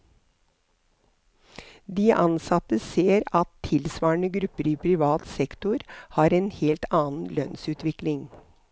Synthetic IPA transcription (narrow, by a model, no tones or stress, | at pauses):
d̪iːʔɑnsɑt̪əseːɾɑt̪ʰɪlsʋɑːəɳəɡɾʉpəɾiːpʰɾɪʋɑːt̪sɛkt̪ʊɾhɑːɾeːnheːlt̪ʰɑːn̩lœnsʉːt̪ʋɪklɪŋ